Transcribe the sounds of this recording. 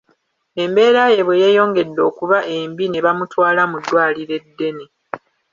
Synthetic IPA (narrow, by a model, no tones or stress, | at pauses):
e̞mbe̞ːɾaje̞βwejeːjo̞ːŋɡe̞dːo̞ːkuβaʔe̞mbine̞βamutwaːlamudːwaːliɾe̞dːe̞ni